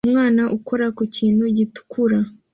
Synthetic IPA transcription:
mŋaːnaʔukoɾakuciːnhuɟitu̥kuɾa

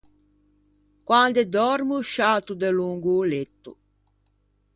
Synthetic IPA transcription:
kwand̪ed̪ɔɾmuʃaːt̪ud̪eluŋɡuːlet̪ːṵ

